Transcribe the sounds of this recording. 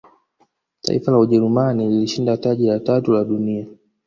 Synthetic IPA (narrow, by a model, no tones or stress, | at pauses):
ta̰ḭfalauʄɛɾumanililiʃindataʄilatatulaɗunia